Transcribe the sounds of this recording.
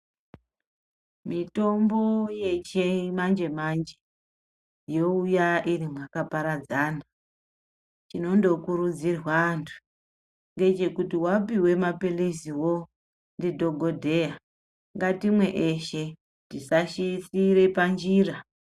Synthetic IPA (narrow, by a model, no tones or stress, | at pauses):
mito̞mboje̞t͡ʃemand͡ʒe̞mand͡ʒe | jo̞ujaʔirimwakapaɾad͡zaːna | t͡ʃino̞ndo̞kuɾud͡zirwantʰu̥ | ŋɡe̞t͡ʃe̞kutiwapiwe̞mapilisiwo̞ | ndidʱo̞ɡʱo̞dʱe̞ja | ŋɡatimwe̞ʔeʃe̞ | ndisaʃisiɾe̞pand͡ʒiːra